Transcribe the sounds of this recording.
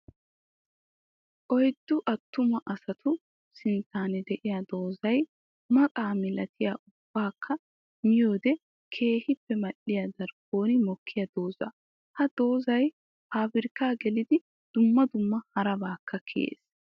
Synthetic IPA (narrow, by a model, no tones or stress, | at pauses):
ʔɔjd̪ːʊʔɐt̪ːʊmɐʔɐsɐt̪ʰʊ | sɪnt̪aːnɛd̪ɛʔɪjɐd̪o̞ːzɐj | mɐkʼaːmɪlɐt̪ʰɪjaːʔʊb̥ːaːkʰːɐ | mɪjo̞ːd̪ɛ | kʰe̞ːhɪpːɛmɐɗɪjɐd̪ɐɾɡo̞ːnɪmɔkʰːɪjɐd̪o̞ːzɐ̰ | hɐd̪̥o̞ːzɐj | ʔaːbɪɾkaːɡɛlɪd̪ɪ | d̪̥ʊmːɐd̪ʊmːɐhɐɾɐbaːkːɐkʰḛːs